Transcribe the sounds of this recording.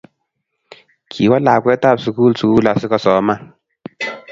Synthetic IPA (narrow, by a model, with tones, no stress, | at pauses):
kʰi˨wɔ˦la˨kwɛ˦ta˦˨psu˨kuː˦lsu˨kuː˦la˨sɪ˦kɔ˦˨sɔː˨˦ma˦